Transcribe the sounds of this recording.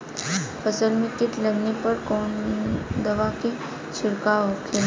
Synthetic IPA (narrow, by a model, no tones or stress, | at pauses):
fʰəsəlmik̪it̪ləɡnepəɾkoɳd̪əʋaki | t͡ʃʰɪɽkaokʰel